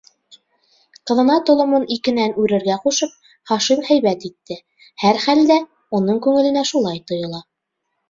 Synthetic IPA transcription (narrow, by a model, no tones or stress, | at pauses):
qɤ̆ðɤ̆nɑt̪ŏlˠŏmɤnikɘ̆nænʉɾɘ̆ɾɡæquʃɤp̚ | χɑʃimhæjβæt̪it̪ːɘ | hæɾχæld̪æ | unɤɴkʉŋɘ̆lɘ̆næʃulˠɑjt̪ŏjɤ̆lˠɑ